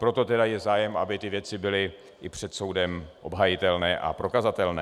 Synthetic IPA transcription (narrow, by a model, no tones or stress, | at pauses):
pɾo̞t̪o̞t̪ɛdajɛzaːjɛmabɪt̪ɪvjɛt͡sɪbɪlɪ | ʔɪpr̝̥ɛt̪so̞wdɛmʔo̞bɦajɪt̪ɛlnɛːʔa̰pɾo̞kazat̪ɛlnɛ̰ː